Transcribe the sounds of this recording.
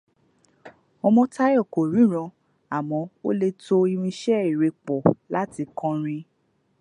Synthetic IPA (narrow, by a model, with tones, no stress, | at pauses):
ɔ˧mɔ̃˧ta˦jɔ˦˨ko˨ɾ̃ĩ˨˦ɾ̃ɔ̃˧ | a˨mɔ̃˨˧˦o̰˦le˧to˦˧i˧ɾ̃ĩ˧ʃɛ˦i˨ɾe˧k͡pɔ˨la˦ti˧kɔ̃˧ɾ̃ĩ˧